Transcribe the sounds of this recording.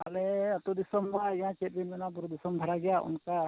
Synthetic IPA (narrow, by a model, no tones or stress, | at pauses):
alɛt̪ud̪isɔmːajãt͡ʃet̚binmɛnabuɾud̪isɔmd̪ʱaɾaɡɛjaʔṵnka